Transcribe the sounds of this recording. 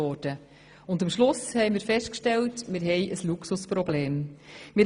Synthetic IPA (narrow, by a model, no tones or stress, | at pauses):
ɔːd̥ə | ʊndəmʃlʊshɛɪmɪːɾfɛʃtkʃtɛltmɪɾɦɛjʔəsluksuspɾɔbleːmmɪ